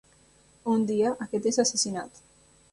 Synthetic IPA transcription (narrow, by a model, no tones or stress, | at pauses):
und̪iaʔaket̪esasesinat̪